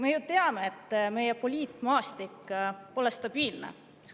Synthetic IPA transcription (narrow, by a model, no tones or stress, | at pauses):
me̞jut̪eɑme̞ːt̪ːˑme̞jepo̞lʲiːt̪ˑmɑːst̪ikːpo̞lest̪ɑb̥iːlnḛ | s